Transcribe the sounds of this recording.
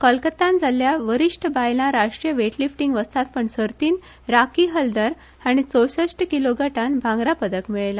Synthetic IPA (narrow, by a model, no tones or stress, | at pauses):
kəlkət̪ãnd͡zaljaʋəɾiʂʈəbajlaɾaʂʈɾijəʋeʈlifʈiŋɡʋəst̪at̪̚pəɳsəɾt̪iːn | ɾakiɦəld̪əɾ | aɽ̃it͡səwɕəɕʈəkiloɡʱəʈanbʱãŋɡɾapəd̪əkmiɭela